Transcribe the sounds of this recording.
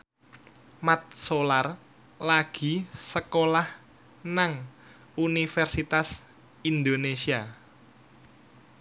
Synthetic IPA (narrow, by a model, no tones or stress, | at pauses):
mat̪̚solar | laɡ̥i̤səkolah | naŋ | unifɛrsit̪as | ind̪onesia